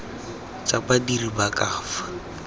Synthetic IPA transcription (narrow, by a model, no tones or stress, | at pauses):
t͡sabadiribakʼaːfḁ